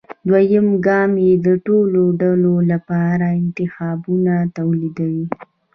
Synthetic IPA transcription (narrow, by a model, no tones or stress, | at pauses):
d̪wajəmɡɑmjed̪əʈoloɖalolapɑɾaɪnt̪ɪxɑbunat̪awlid̪awi